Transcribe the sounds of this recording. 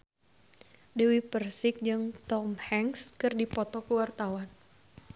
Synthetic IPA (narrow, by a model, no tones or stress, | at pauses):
dewipərsɪk̚d͡ʒɨŋt̪ɔmhɛŋskɨrdipɔt̪ɔkuwart̪awan